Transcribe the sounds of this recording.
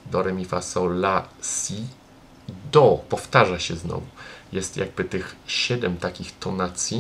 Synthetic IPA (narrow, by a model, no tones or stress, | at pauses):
d̪ɔɾɛmʲifasɔlasʲi | d̪ɔpɔft̪aʐaɕɛznɔ̰vujɛst̪ja̰ɡ̚bɘt̪ɘxɕɛd̪ɛmt̪akʲixt̪ɔnat̪sʲji